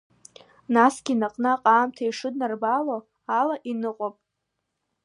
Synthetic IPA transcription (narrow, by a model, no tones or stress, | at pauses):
nasɡ̥ʲinaqʼnɨaqʼaːmtʰaiʂɨdnarbalo | alaʔinɨqʼopʼ